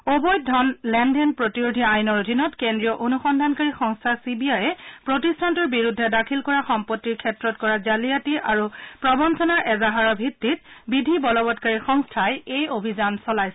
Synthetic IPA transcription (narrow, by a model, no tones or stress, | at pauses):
obɔj̚dʱɔnlɛndɛnpɹotiɹodʱiajnɔɹodʱinɔtkendɹijɔʔonuxɔndʱankaɹixɔŋstʰasibiajɛpɹotistʰantɔɹbiɹudʱːɛdakʰilkɔɹaxɔmpɔtːiɹkʰɛtɹɔtkɔɹazalijatiʔaɹupɹɔbɔnsɔnaɹʔɛzaɦaɹɔbʱitːit̚bidʱibɔlɔbɔtkaɹixɔŋstʰajejobʱizansɔlajsɛɛ